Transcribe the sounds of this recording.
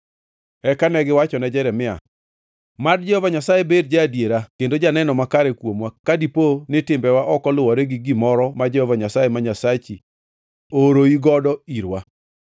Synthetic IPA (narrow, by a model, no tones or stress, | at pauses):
ɛkanɛɡɪwat͡ʃɔnɛd͡ʒɛɾɛmɪa̰ | madd͡ʒɛhɔvaɲasajebedd͡ʒaːdjeɾakendod͡ʒanɛnɔmakaɾɛkwomwakadiponɪtɪmbɛwaʔɔkɔlʊwɔɾɛɡɪɡimɔɾɔmad͡ʒɛhɔvaɲasajemaɲasat͡ʃi | oɾoiɡɔdɔiɾwa